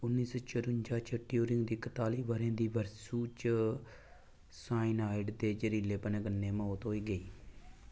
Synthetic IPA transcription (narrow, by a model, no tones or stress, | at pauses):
ʊnːiːsoːt͡ʃəɾʊɲd͡ʒaːt͡ʃəʈɪjuːɾɪŋɡd̪iːkət̪aːliːʋəɾẽːd̪iːʋəɾsuːt͡ʃ | saːɪnaːɪɖd̪eːd͡ʒəɾiːleːpənẽːɡənːeːməoːt̪ɦoːiːɡəiː